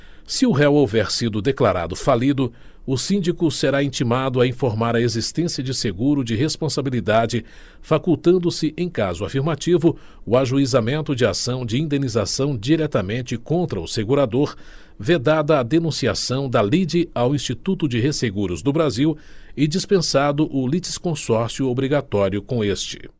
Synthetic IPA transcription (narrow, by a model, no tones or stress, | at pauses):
sɪʊɦɛwowvɛɾsid̪ʊd̪eklaɾa̰d̪ʊfalid̪ʊ | ʊsĩnd͡ʒikʊseɾaĩt͡ʃimad̪ʊaĩfoɾmaɾɐezist̪ẽsiɐd͡ʒɪseɡuɾʊd͡ʒɪɦespõsabilid̪ad͡ʒɪ | fakuwt̪ɐ̃nd̪ʊsɪʔẽj̃kazʊafiɾmat͡ʃivʊ | ʊaʒuizamẽnt̪ʊd͡ʒɪa̰sɐ̃w̃d͡ʒɪĩnd̪ẽnizasɐ̃w̃d͡ʒiɾɛt̪ɐmẽnt͡ʃɪkõnt̪ɾɐʊseɡuɾad̪oɾ | ved̪ad̪ɐːd̪enũsiasɐ̃w̃d̪ɐlid͡ʒɪawĩst͡ʃit̪ut̪ʊd͡ʒɪɦeseɡuɾʊzd̪ʊbɾaziw | ɪd͡ʒispẽsad̪ʊʔʊlit͡ʃɪ̥skõsɔɾsjʊobɾiɡat̪ɔɾjʊkõest͡ʃɪ̥̰